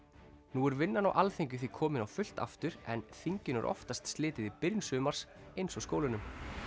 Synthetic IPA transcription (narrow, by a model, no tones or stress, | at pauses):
nuːɛɾvɪnːanawʔalθeɲcʏ̥θikʰɔːmɪnawfʏl̥t̪a̰ft̪ʏɾɛ̰nθiɲcɪnɛɾʔɔ̰ft̪ast̪st̪lɪːt̪ɪðɪpɪɾnsʏːmaɾ̥s | ejnsɔskoːwlɪnʏm